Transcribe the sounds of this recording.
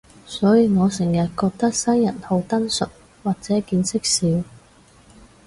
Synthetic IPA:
sɔː˨˥jiː˨˧ŋɔː˨˧sɪ˨˩ŋjɐ˨t̚kɔː˧k̚t̪ɐ˥k̚sɐ˥jːɐ˨˩nho˨˧wt̪ɐ˥nsɵ˨t̚ | waː˨˩k̚t͡sɛː˨˥kiː˧nsɪ˥k̚siː˨˥w

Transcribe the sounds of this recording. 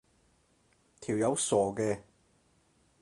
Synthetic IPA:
t̪ʰiː˨˩wjɐ˨˧wsɔː˨˩kɛː˧

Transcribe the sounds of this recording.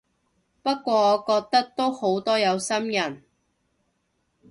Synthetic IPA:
pɐ˥kːʷɔː˧ɔː˨˧kɔː˧k̚t̪ɐ˥k̚t̪o˥who˨˥wt̪ɔː˥jɐ˨˧wsɐ˥mjɐ˨˩n

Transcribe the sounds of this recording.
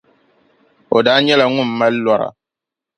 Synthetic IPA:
o˨daː˦ɲɛ˦la˨ŋʊ˦˨mː˦a˦llɔ˦ɾa̰˨

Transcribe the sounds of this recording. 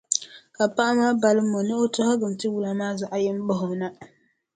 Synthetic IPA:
ka˨pa˦ʔa˦maː˦ba˨lɨ˦mːo˨nɨ˦o˦tɔ˦hɔ˦ɡɨ˨m˨tɨ˦wu˨la˨maː˦za˨ʔa˨jɛ˦m˦bɔ˦ɦʊ˨na˦

